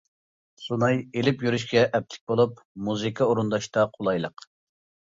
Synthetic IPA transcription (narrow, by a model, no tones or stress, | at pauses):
sunɑjelɪpjyɾyʃ̬kʲɛʔɛp̚t̪ʰɪ̥k̚ʲbolˠup | muzɨkʰɑoɾund̪ɑʃt̪ɑqʰolˠɑjlˠəq